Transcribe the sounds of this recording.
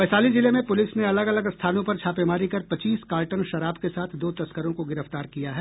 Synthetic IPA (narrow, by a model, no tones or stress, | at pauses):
bɛːsaːlizɪlemẽpʊlɪsneɐləɡɐləɡst̪ʰaːnõpɐɾt͡ʃʰaːpemaːɾikɐɾpɐt͡ʃiːskaːlʈənʃɐɾaːbkesaːt̪ʰd̪oːt̪ɐskəɾõkoɡɪɾəft̪aːɾkijaɦɛː